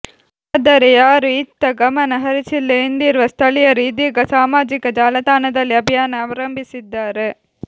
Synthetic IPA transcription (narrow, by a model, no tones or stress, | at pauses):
ɐd̪ɐɾɐjaːɾit̪ːɐɡɐmɐnɐɦɐɾɪt͡ʃːɪlːeːnd̪iːɾʋɐst̪ʰɐlɪjɐɾiːd̪iɡɐsaːmaːd͡ʒɪkɐd͡ʒaːlɐt̪aːnɐðɐlɐbɐjaːnɐɐʋɐɾɐmbɪsɪd̪ːaːɾɯ